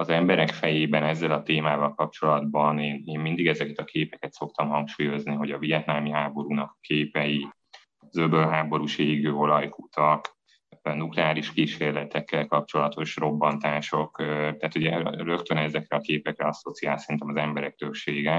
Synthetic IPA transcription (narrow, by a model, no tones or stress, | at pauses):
ɒzɛmbɛɾɛkfɛjeːbɛnɛzːɛlɒt̪eːmaːvɒlkɒp̚t͡ʃo̞lɒd̪̚bɒneːneːmmind̪iɡɛzɛkɛt̪ɒkeːpɛkɛt̪so̞k̚t̪ɒmhɒŋkʃuːjo̞zniɦo̞ɟɒvijɛt̪naːlmiɦaːbo̞ɾuːnɒkkeːpɛji | zøbølɦaːbo̞ɾuːʃeːɡøːo̞lɒjkut̪ɒk | nuklɛaːliʃkiːʃeːrlɛt̪ɛkːɛlkɒp̚t͡ʃo̞lɒt̪o̞ʃro̞bːɒnt̪aːʃo̞kt̪aːt̪uɟɛrø̞kt̪ønɛzɛkrɛɒkeːpɛkrɛɒsot̪siaːlsɛɾint̪ɛmɒzɛmbɛɾɛk̚t̪ø̞kʃeːɡɛ